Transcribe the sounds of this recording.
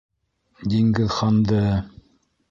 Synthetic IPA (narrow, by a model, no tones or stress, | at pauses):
d̪iŋɡɘðχɑnd̪ɤ